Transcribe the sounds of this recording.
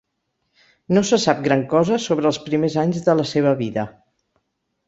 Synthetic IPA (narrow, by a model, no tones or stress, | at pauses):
nosəsap̚ɡɾaŋkɔzəsoβ̞ɾəːlˠspɾimezaɲzðələseβ̞əβiðə